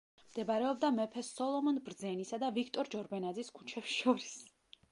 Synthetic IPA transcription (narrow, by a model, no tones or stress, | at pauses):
md̪ɛbaɾɛɔbd̪amɛpʰɛsɔlˠɔmɔnbɾd̪zɛnisad̪avikʰt̪ʼɔɾd͡ʒɔɾbɛnad̪ziskʰu̥t͡ʃʰɛpsʃɔɾis